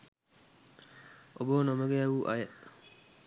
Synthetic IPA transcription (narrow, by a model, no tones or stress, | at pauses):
obonoməɡeaʋuʔa̰jə